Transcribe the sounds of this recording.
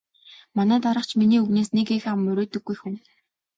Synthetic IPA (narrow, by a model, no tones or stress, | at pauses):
manæːt̪aɾə̆χt͡ɕʰminiːuɣneːsnekexamːɵɾʲoːt̪ɵ̆ɡːujxun